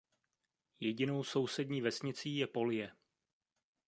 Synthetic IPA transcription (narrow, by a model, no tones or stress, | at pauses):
jɛɟɪno̞wso̞wsɛdɲiːvɛsɲɪt͡siːjɛpo̞ljɛ